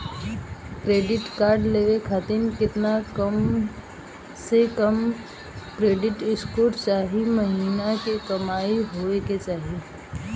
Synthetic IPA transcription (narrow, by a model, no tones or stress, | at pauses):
kɾeːɖɪʈkaːɾɖleːʋekʰat̪ɪnkɪt̪nakəm | sekɐm | kɾeːɖɪʈɪskoːʈt͡ʃaːɦimɐɦiːnakikɐmaːiɦoːeket͡ʃaːɦi